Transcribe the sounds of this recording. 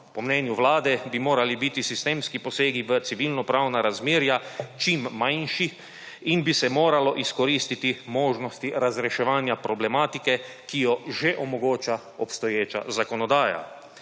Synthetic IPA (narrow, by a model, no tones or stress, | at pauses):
pɔmnɛːnjuʋlaːd̪ɛbimoːɾalibit̪isist̪eːmskipɔseːɡiʋət̪siʋilnɔpɾaːwnaɾazmeːɾjat͡ʃimːanʃix | inbisɛmoːɾalɔʔiskɔɾiːst̪it̪imoːʒnɔst̪iɾazɾɛʃɛʋaːnjapɾɔblɛmaːt̪ikɛ | kijɔʒeʔɔmɔɡoːt͡ʃa | ɔpst̪ɔjeːt͡ʃa̰zakɔnɔd̪aːja̰